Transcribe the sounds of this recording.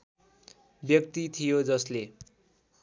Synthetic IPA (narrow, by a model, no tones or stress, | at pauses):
bjʌkt̪it̪ʰijod͡zʌsle